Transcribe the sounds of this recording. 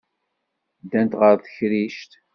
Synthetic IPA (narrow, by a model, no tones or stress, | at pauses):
d̪ænt̪ʁəɾθəçɾiʃt̪